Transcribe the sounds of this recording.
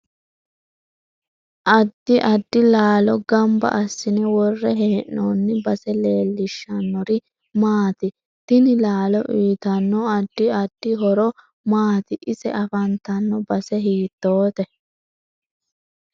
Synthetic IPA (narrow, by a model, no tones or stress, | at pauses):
ʔɐd̪ːɪʔɐd̪ːɪlaːlɔɡɐmbɐ̰ʔɐsːɪnɛwɔrːɛɦeɛnːoːnːɪbɐsɛleːlːɪʃːɐnːɔɾɪ | maːt̪ɪ | t̪ɪnɪlaːlɔʔiːt̪ɐnːɔɐd̪ːɪɐd̪̥ːɪɦɔɾɔ | maːt̪ɪʔɪsɛʔɐfɐnt̪ɐnːɔbɐsɛɦiːt̪ːoːt̪ɛ